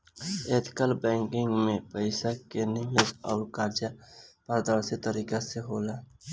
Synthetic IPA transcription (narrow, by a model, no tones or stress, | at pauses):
eːt̪kəlbɛ̃ːŋkɪ̃ŋɡmẽpəɪsakenɪmezɔːɾkaːɾd͡ʒapəɾd̪əɽset̪əɾiːkaseɦoːlaː